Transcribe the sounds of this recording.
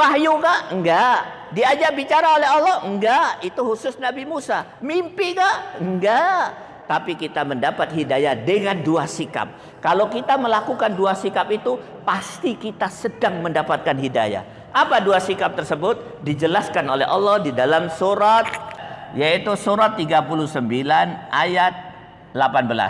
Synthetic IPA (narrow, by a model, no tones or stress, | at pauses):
paɦjuŋaʔŋɡaʔ | diad͡ʒabit͡ʃaɾaolɛɦɔlːɔhŋɡaʔit̪uhusʊsnabimusa | mimpiŋaʔŋɡa | t̪apikit̪aməndapat̪̚hidajadəŋanduasika̰p̚ | kalawkit̪aməlakukanduasikapit̪u | past̪ikit̪asədaŋməndapat̪̚kanɦida̰ja̰ | ʔapaduasikap̚t̪ərsəbʊt̪̚ | did͡ʒəlaskanolɛɦʔɔlːɔhdidalamsuɾat̪̚jait̪usuɾat̪ːiɡapuluhsəmbilanʔa̰jat̪̚ | lapanbəla̰s